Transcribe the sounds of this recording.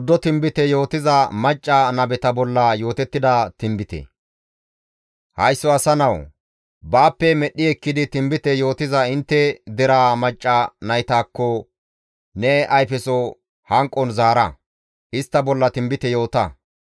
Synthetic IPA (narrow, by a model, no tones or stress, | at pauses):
d̪ːɔt̪ɪmbɪt̪ɛjo̞ːt̪ɪzɐmɐt͡ʃʼːɐnɐbɛt̪ɐbɔlːɐjo̞ːt̪ɛt̪ːɪd̪ɐt̪ɪmbɪt̪ɛ̰ | hɐjsːɔɐsɐnɐw | baːpːɛmɛɗːɪɛkːɪd̪ɪt̪ɪmbɪt̪ɛjo̞ːt̪ɪzɐɪnt̪ːɛd̪ɛɾaːmɐt͡ʃʼːɐnɐjt̪aːkːɔ | nɛʔɐjfɛsɔ | hɐŋkʼːɔnzaːɾɐ | ʔɪst̪ːɐbɔlːɐt̪ɪmbɪt̪ɛjo̞ːt̪ɐ